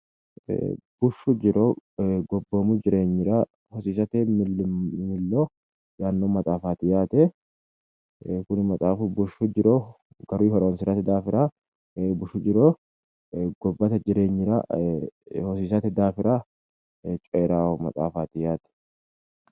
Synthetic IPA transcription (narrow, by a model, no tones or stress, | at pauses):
b̥ʊʃːʊd͡ʒɪɾoːɡɔbːoːmʊd͡ʒɪɾe̞ːɲːɪɾa | hɔsiːsɐt̪ɛ | mɪlːoː | jaːnːoːmɐt̪ʼaːfaːt̪ɪjaːt̪ɛ | kʊnɪmɐt̪ʼaːfʊbʊʃːʊd͡ʒɪɾoː | ɡ̥ɐɾiːhɔɾɐɔnsɪɾɐt̪ɛd̪aːfɪɾaː | bʊʃʊd͡ʒɪɾoː | ɡ̥ɔbːɐt̪ɐd͡ʒɪɾe̞ːɲːɪɾa̰ | hɔs̬iːsɐt̪ɛd̪aːfɪɾaː | t͡ʃʼeːɾaːwɔmɐ̰t̪ʼa̰ːfaːt̪ɪjaːt̪ɛ̥